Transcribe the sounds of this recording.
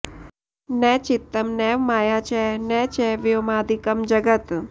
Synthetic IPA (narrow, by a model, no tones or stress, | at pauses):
nɛt͡ʃɪt̪ːəmnɛʋmaːjat͡ʃʰɛnɛt͡ʃʰɛʋjomãːd̪ʱikəmd͡ʒəɡət̪